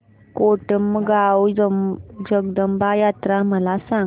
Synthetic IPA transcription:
koʈəmɡawəd͡ʑəɡ̚d̪əmbajat̪ɾaməlasã

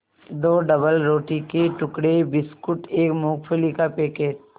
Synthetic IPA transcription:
d̪oːɖɐbəlɾoːʈikeʈʊkɽebɪskʊʈeːkmoːkpʰelikapeːkeːd͡ʒ

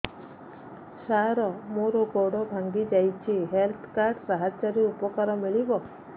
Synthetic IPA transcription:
saɾɔmoɾoɡɔɽɔbʱaŋɡid͡ʒajt͡ʃʰiɦelt̪ʰkaɾɖɾaɦat͡ʃaɾiɾupɔkaɾɔmiɭibɔ

